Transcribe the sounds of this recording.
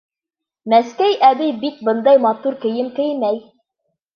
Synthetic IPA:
mæskæjʔæbijbit̪̚bɤ̆nd̪ɑjmɑt̪uɾkɘ̆jɘmkɘ̆jmæj

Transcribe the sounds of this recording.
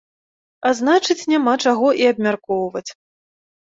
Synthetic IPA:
aznat͡ʂɨt͡sʲnʲamat͡ʂaɣɔʔiɐbmʲarkɔwvɐt͡sʲ

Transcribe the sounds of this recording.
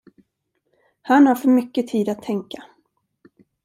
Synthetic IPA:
hanhaɾfœɾmʏkːət̪ʰiːd̪at̪ʰːɛŋka

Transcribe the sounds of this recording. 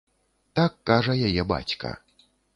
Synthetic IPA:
t̪akːaʐɐjajɛba̰t͡sʲkɐ̰

